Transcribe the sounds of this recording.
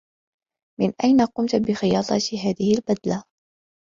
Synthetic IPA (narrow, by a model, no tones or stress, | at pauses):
mɪnʔajnaqʊmt̪bɪxɪjɑːt̪ˤɑt̪iɦaːðɪhɪlbad̪la